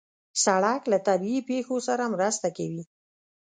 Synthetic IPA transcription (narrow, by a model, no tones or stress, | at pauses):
saɽaklat̪abiipexosaɾamɾəst̪akawi